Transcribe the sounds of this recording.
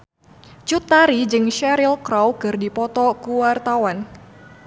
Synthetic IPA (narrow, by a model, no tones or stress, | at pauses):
t͡ʃut̪ːaɾid͡ʒɨŋʃɛɾilkɾawkɨrdipɔt̪ɔkuwart̪awan